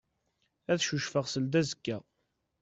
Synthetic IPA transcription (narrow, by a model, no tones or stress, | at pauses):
æθʃuʃfəʁsəld̪æzəkːæ